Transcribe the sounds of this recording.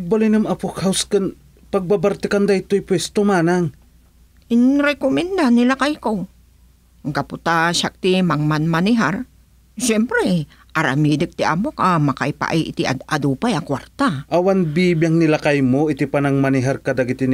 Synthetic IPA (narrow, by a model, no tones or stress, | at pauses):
ɡ̚balajnɐmapokhawskɨn | paɡ̚babaɾt̪ɪkand̪ajt̪ojpwɛst̪omaːnaŋ | ʔɪnɾɛkomɪnd̪anɪlakajko | ɡapʊt̪aʃak̚t̪ɪmaŋmanmanɪɦaɾ | ʃɛmpɾɛ | ʔaɾamid̪ɪk̚t̪ɪʔa̰mokamaka̰jpa̰ʔiʔɪt̪ɪʔʔad̪uːpajakwaɾt̪aʔawanbibjaŋnɪlakajmoɪt̪ɪpanaŋmanɪɦaɾkɐd̪aɡɪt̪ɪn